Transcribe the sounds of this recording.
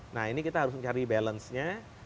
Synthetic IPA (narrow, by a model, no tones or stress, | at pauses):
naɦinikit̪aɦaɾʊs̬məɲt͡ʃaɾibɛlənsɲa